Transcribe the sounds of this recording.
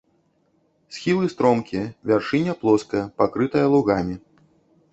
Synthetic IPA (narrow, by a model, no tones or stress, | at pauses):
sʲxʲilˠɨst̪ɾɔmkʲijɐvʲarʂɨnʲɐplˠɔskɐjɐpakɾɨt̪ɐjɐlˠuɣamʲi